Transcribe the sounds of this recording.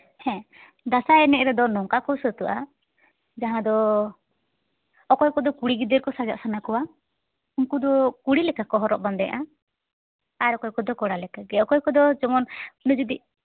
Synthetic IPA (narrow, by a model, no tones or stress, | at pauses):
hɛ̃ | d̪asaɛnɛɾɛd̪ɔnɔŋkakɔsət̪uʔa | d͡ʒaɦãd̪ɔ | ɔkɔjkɔd̪ɔkuɽiɡid̪əɾkɔsad͡ʒa̰ʔsanakɔwa | uŋkud̪ɔkuɽilɛkakɔɦɔɾɔʔband̪ɛjaʔa | aɾɔkɔjkɔd̪ɔkɔɽalɛkaɡɛɔkɔjkɔd̪ɔd͡ʒɔmɔnnud͡ʒud̪i